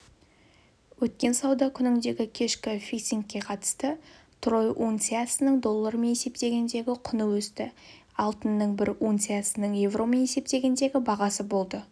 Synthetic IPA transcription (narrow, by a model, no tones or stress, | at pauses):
wɵt̪̚kʲe̞nsɑwd̪ɑkʲʰʏnɪŋd̪e̞ɡʲɪkʲʰe̞ʃkʲɪfʲisiŋkʲːe̞qʰɑt̪ə̥st̪ə | t̪ʰro̞jʔont̪siat̪sənəɴd̪o̞lˠːaɾəme̞ne̞se̞p̚t̪e̞ɡʲe̞nd̪e̞ɡʲɪqʰʊnəwɵst̪ɪ | ɑlˠt̪ənːəɴbɪɾunt̪siat̪sənəɴje̞vro̞me̞ne̞se̞p̚t̪e̞ɡʲe̞nd̪e̞ɡʲɪbɑʁɑsəbo̞lˠd̪ə